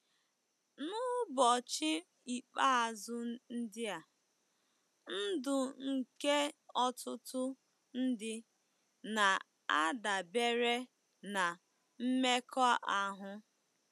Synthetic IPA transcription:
nʊ˦bɔ˨t͡ʃɪ˦ | i˨k͡pa˦a˨zʊ˦n̩˦dɪ˦a˨ | n̩˦dʊ˨ŋ̩˨ke˦ɔ˦tʊ˦tʊ˦ | n̩˦dɪ˦ | na˨ | a˦da˨be˦ɾe˦ | na˨ | m̩˦me˦kʰɔ˦a˦ʔa˨ɦʊ˦

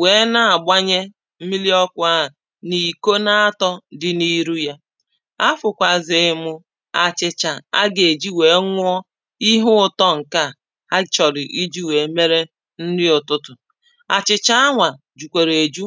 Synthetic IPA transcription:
we˨˦na˦a˨ɡ͡ba˦ɲe˦ | m̩˦mi˦li˦ɔ˦kʷa˦˨ | ni˨ko˦na˦a˦tɔ˦dɪ˨ni˦ɾu˦ja˦ | a˦fʊ˨kʷa˨zɪ˨mʊ˦ | a˨t͡ʃɪ˨t͡ʃa˨a˦ɡe˨d͡ʒi˦we˨˦ŋʷ˦ɔ˦ | i˦ɦʊ˦ʊ˦˨tɔ˦ŋ̩˨ka˦˨ | ha˦t͡ʃɔ˨dɪ˨ʔi˦d͡ʒi˦we˨˦me˦ɾe˦ | n̩˦dɪ˦ʊ˨tʊ˦tʊ˨ | a̰˨t͡ʃɪ˨t͡ʃa˦a˦ŋʷa˨ | d͡ʒu˨kʷe˨ɾe˨d͡ʒu˦

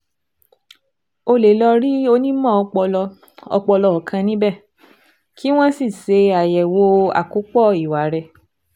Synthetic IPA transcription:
o˧le˨lɔ˧ɾi˦o˧nĩ˦mɔ̃˦˨˧k͡pɔ˧lɔ˧ | ɔ̰˧k͡pɔ˧lɔ˧ɔ˨kʰã˧nĩ˦bɛ˦˨ | kʰi˦w̃ɔ̃˦si˦˨se˨˧a˨jɛ˨wo˧a̰˨ku˨˦k͡pɔ˦˨i˨wa˨ɾɛ˧˨

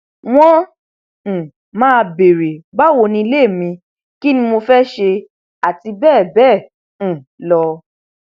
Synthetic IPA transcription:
w̃ɔ̃˦˨ | mãː˦˧be˨ɾe˨ɡ͡ba˦wo˧nĩ˧i˧le˦˨mĩ˧ | ki˦nĩ˧mo˧fɛ˦ʃe˧ | a˨ti˧bɛː˦˨bɛ̃ː˦˨ | lɔ˧

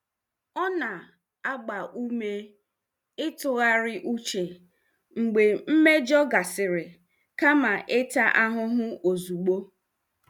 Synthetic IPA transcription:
ɔ˦na˨ | a˦ɡ͡ba˨ʔu˦me˦ | ɪ˦tʊ˨ɣa˦ɾɪ˦ʔu˦t͡ʃe˨ | ŋ͡m̩˨ɡ͡be˨m̩˦me˦d͡ʒɔ˦ɡa˨sɪ˨ɾɪ˨ | ka˦ma˨ʔe˦ta˦ʔa˦ɦʊ˦ɦʊ˦o˨zu˨ɡ͡bo˦

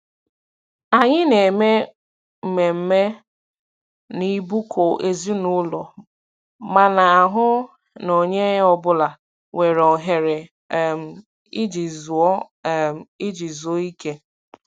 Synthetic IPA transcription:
a˨ɲɪ˦ne˨me˦ | m̩˨me˨m̩˦me˦ | ni˦bu˦kʰo˨ʔe˦zi˦nʊ˦lɔ˨ | ma˨na˨a˨ɦʊ˦ | no˨ɲe˦ɔ˦bʊ˦la˨ | we˨ɾɔ˨ɦe˨ɾe˨ | m˨ | i˦d͡ʒi˨˦˨ | ɪ˦d͡ʒi˨zu˨o˦i˦ke˦

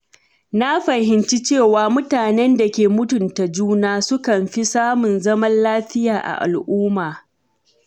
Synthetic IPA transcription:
na˦ɸɐ˨ɦɪ˨nt͡ʃi˦t͡ʃeː˦˨waː˨mʊ˦taː˨nɛ˦nda˨kʲeː˨mʊ˦tʊ˨nta˨d͡ʒuː˦naː˦sʊ˦kɐ˨mɸi˦saː˦mʊ˨nzɐ˦mɐ˦nlaː˦ɸɪ˦jaː˨ʔa̰˨ʔa̰˨lʔuː˦maː˨

